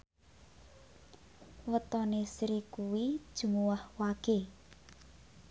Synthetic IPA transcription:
wət̪ɔnesɾikuwid̥ʒ̥ṳmuwahwaɡ̥e

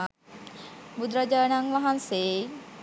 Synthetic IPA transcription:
bud̪ɾad͡ʒaːnaŋʋaɦanseː

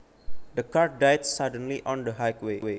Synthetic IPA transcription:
d̪əkaɹ̚dajt̚sadə̃nliʔɔ̃ndəɦajkwewe

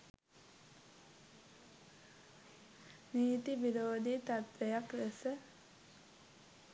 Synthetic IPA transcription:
niːt̪iʋiɾoːd̪it̪at̪ʋejakɾesə

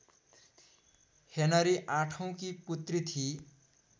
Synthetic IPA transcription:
henʌɾiʔãʈʰʌw̃kiput̪rit̪ʰi

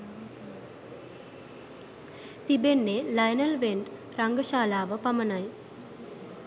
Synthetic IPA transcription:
t̪ibenːelɐjnɐlʋeɳʈ | ɾɐŋɡəʃaːlaːʋəpɐmənaj

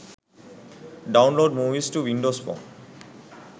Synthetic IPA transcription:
ɖaʊ̃nloɖmuʋisʈuʋĩɳɖospɔ̰n

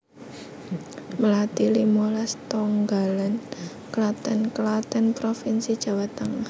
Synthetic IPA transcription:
məlat̪ilimolɛst̪ɔŋɡalan | kəlat̪ɛnkəlat̪ɛnpɾofinsid̥ʒ̥a̤wat̪aŋa

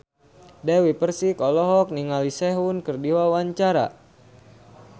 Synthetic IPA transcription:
dawipərsikɔlɔɦɔk̚niŋalisɛɦunkərdiwawaɲt͡ʃaɾa̰

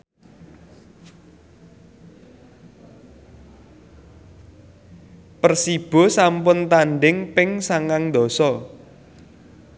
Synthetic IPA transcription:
pərsib̥ɔ̤sampʊnt̪aɳɖɪŋpɪŋsaŋaŋnd̪ɔ̤sɔ

